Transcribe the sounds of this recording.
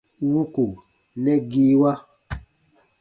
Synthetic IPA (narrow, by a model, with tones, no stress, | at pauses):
wu˦ku˨ | lɛ˦ɡi˦wa˦